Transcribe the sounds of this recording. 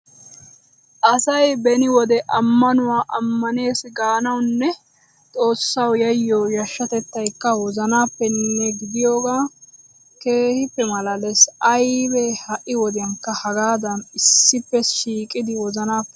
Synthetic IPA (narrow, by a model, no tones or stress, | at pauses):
ʔɐsɐjbɛnɪwɔd̪ɛʔɐmːɐnʊwaːʔɐmːɐne̞ːsɡaːnɐwnːɛ | t̪ʼo̞ːsːɐwjɐjːoːjɐʃːɐt̪ɛt̪ːɐjkːɐwɔzɐnaːpːɛnːɛɡɪd̪ɪjoːɡaː | ke̞ːhɪpːɛmɐlɐlɛsɐjbɛhɐʔɪwɔd̪ɪjɐŋkːɐhɐɡaːd̪ɐnɪsːɪpːɛʃiːkʼɪd̪ɪwɔzɐnaːpːɛ̥